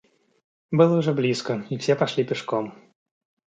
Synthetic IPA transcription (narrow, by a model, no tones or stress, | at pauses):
bɨlˠəʊʐɛblʲiskəifsʲeɛpɐʂlʲipʲɪʂkom